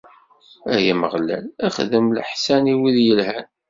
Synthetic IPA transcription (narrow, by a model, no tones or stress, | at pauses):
æjaməʁlæ̰læχðəmləħsæniwiðjəlhæn